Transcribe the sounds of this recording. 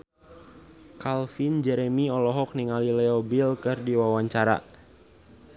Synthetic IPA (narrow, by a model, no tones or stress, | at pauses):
kalfind͡ʒɛɾɛmiɔlɔɦɔk̚niŋalilɛɔbilkɨrdiwawaɲt͡ʃaɾa̰